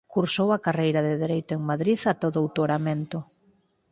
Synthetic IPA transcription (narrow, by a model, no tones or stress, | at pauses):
kuɾsowɐkarejɾɐðɪðeɾejt̪ʊeŋmaðɾiðat̪oðʊawt̪oɾament̪ʊ